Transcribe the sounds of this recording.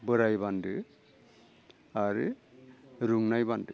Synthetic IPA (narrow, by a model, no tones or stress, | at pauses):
bɯɾajbandɯ | aɾɯ | ɾuŋnajbandɯ